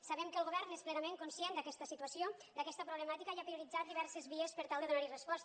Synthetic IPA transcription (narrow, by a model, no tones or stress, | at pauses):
saβɛmkəlˠɣoβɛɾnesplɛnameŋkunsjend̪əkɛst̪əsit̪uəsiod̪əkɛst̪əpɾuβləmat̪ikaiapɾiuɾid͡zat̪̚d̪iβɛɾsəzβiəspəɾt̪alˠd̪əðunaɾirəspɔst̪